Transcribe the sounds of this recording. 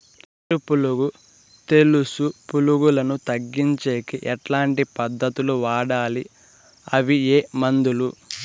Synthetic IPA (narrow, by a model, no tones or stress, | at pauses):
t̪ɐɾupuluɡu | t̪e̞lusupuluɡulɐnut̪ɐɡːiɲt͡ʃe̞ːkiʔɛʈlaːɳʈipɐd̪ːɐt̪uluʋaːɽaːli | ɐʋieːmɐnd̪ulu